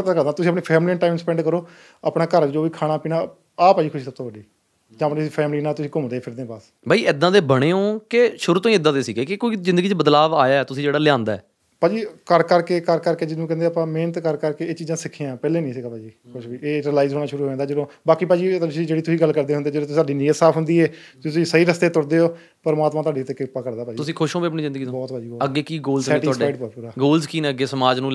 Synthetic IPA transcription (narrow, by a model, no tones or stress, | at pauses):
t̪aːkəɾd̪aːt̪ʊs̬iːəpniːpʰɛːmliːnʈaːɪmnsəpɛ̃ːɳɖkəɾoː | a̰ːpnaːkəɾd͡ʒoːʋiːkʰaːɽaːpiːnaː | aːpaːd͡ʒiːkʰʊʃiːsəb̚t̪õːʋəɖiː | d͡ʒãːpsiːpʰɛːmliːnaːt̪ʊsĩːkʊmd̪eːpʰɪɾd̪ẽːpaːs | bʱaːiːɪd̪ːãːd̪eːbəɽ̃eːõːkeʃʊɾut̪õːĩːɪd̪ãːd̪eːsiːɡeːkɪkoːiːzɪ̃nd̪əɡiːt͡ʃbəd̪laːʋaːjaːɛːt̪ʊsĩːd͡ʒeːɽaːlɪjãːnd̪aɛ̰ː | paːd͡ʒiːkəɾkəɾkeːkəɾkəɾkeːd͡ʒɪnũːkɛ̃ːnd̪eːaːpãːmeːnət̪kəɾkəɾkeːeːt͡ʃiːd͡ʒãːsɪkʰiãːpɛːleːnəĩːsɪkʰaːpaːd͡ʒiːkʰʊʃbiːeːʈəlaːizɦoːɽ̃aːʃʊɾuːɦoːãːnd̪aːd͡ʒəɽõːbaːkiːpaːd͡ʒiːt̪sĩːd͡ʒeːɽit̪ʊsĩːɡəlkəɾd̪eːɦʊnd̪eːd͡ʒəõːt̪ːsaːɖiːnɪjət̪saːpʰɦʊnd̪iːeːt̪ʊsĩːsəiːɾəst̪eːt̪ʊɽd̪eːɦoː | pəɾmaːt̪mãːt̪ʊwaːɖeːt̪ekeʊpːaːkəɾd̪aːpaːd͡ʒiʊsĩːkʰʊʃõːbeːəpɳiːzɪ̃nd̪ɡiːõbɔːt̪ʋaːd͡ʒiːoːəɡːeːkiːɡoːlsɛ̃ːʈɪʊaːaːɖpːpuːɾaːɡoːlzkiːnɛ̃əɡeːsəmaːd͡ʒnũː